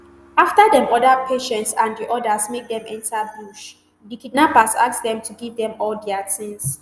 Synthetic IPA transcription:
aftadɛ̃mɔdapʰeʃɛ̃ntsãndiʔɔdasmek̚dɛ̃mɛ̃ntʰabuʃ | dikid̚napasaksdɛ̃mtʰuɡivdɛ̃mɔldɛatʰĩns

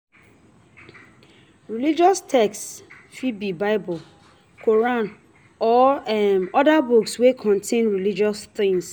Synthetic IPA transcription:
ɹilid͡ʒɔstʰɛkst | fibibaɪbɔl | kʰoɹãn | ɔɛmɔdabukswekʰɔ̃ntʰẽnɹilid͡ʒɔsθɪ̃ŋs

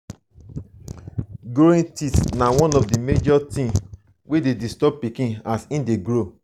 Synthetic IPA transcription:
ɡoĩntitnawɔ̃nɔfdimed͡ʒɔtĩm | wededistɔb̚pikĩnasĩndeɡɾo

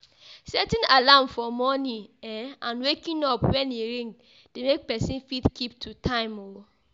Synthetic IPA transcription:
sɛtĩnalamfɔmɔnĩɛãnwekĩnɔpwɛ̃neɹĩŋɡ | demek̚pɛsĩnfitkʰip̚tʰutʰãɪ̃mo

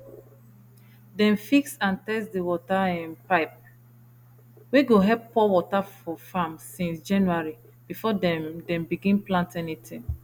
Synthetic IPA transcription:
dɛ̃nfiksãntɛsdəwɔtaɛ̃npaɪp̚ | wiɡoɦɛppɔwɔtafɔfãmsĩnsd͡ʒãnjuaɹi | b̥ifɔdɛdɛ̃mbiɡĩnplãntɛnitʰĩŋ

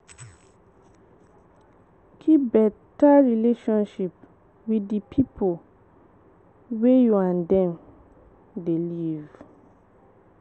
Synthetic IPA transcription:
kʰipbɛtaɹileʃɔ̃nʃip | widipʰipʰo | wejuãndɛ̃m | deliv

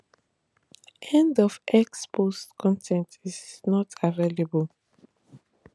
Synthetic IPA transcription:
ʔɛ̃ndɔfɛkspʰostkʰɔ̃ntʰɛ̃ntisnɔtʰaɹelebəl

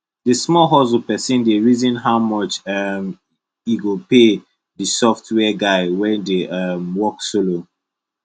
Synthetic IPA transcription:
dismɔɦɔzopɛsĩndeɹizĩnɦaʊmɔt͡ʃɛm | iɡope | dəsɔftʰwɛɡaɪwɛ̃ndeʔamwɔksolo

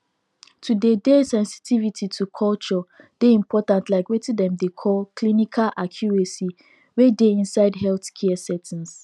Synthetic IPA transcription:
tʰudedesɛ̃nsi̥tʰivitʰitʰukʰɔlt͡ʃɔ | d̥eĩmpʰɔtãntlaɪkwetidɛ̃mdekʰɔlkʰlinikʰalʔakʰjuɹesi | wedeĩnsaɪdɦɛlθkʰɛɛsɛtʰɛ̃ns

